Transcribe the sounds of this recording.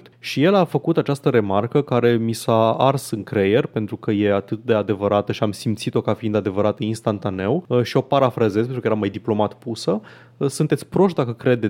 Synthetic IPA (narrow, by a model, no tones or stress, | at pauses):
t̪ʃije̞lafəkut̪at͡ʃast̪əɾe̞markəkaɾe̞misaarsɨŋkɾeje̞rʲpe̞nt̪ɾukəje̞at̪ɨt̪̚d̪e̞ad̪e̞vəɾʔat̪əʃiamsimt̪sit̪o̞kafiind̪ad̪e̞vəɾat̪əinst̪ant̪ane̞wʃio̞paɾafɾazezpet̪ɾukəjeɾamajd̪iplo̞mat̪pusə | sunt̪et̪sʲpɾo̞ʃt̪d̪akəkɾe̞d̪e